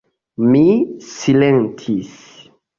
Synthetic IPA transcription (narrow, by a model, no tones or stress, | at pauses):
misilentʰis